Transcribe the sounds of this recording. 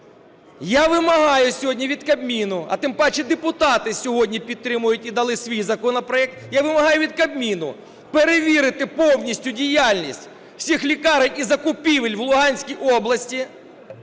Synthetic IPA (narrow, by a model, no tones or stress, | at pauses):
jaʋɪmɐɦɑjʊsʲɔɦɔdʲnʲiʋʲid̪kɐbmʲinʊɐ̰t̪ɪmpɑt͡ʃɪd̪epʊt̪ɑt̪ɪsʲɔɦɔdʲnʲipʲid̪̚t̪ːɾɪmʊjʊtʲid̪ɐlˠɪsʲʋʲijzɐkɔnɔpɾɔjɛk̚t̪jaʋɪmɐɦɑjʊʋʲid̪̚kɐbmʲinʊ̰ | peɾeʋʲiɾɪt̪ɪpɔwnʲisʲtʲʊdʲijalʲnʲisʲtʲ | wsʲixlʲikɑɾɪnʲizɐkʊpʲiʋɪlʲwlˠʊɦɑnʲsʲkʲijʔɔblˠɐsʲtʲi